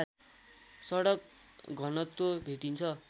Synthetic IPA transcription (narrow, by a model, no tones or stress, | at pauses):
sʌɽʌk̚ɡʱʌnʌt̪ːobʱeʈint͡sʰʌ